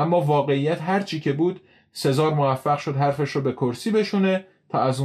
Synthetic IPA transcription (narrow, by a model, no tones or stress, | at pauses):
æmːɒːvɒːɣe̞ijæt̪ɦæɾt͡ʃʰiːcʰe̞buːd̪ | se̞zɒːɾmovæfːæɣʃo̞d̪ɦæɾfeʃɾoːbe̞kʰoɾsiːbe̞ʃune̞ | t̪ʰɒːæzu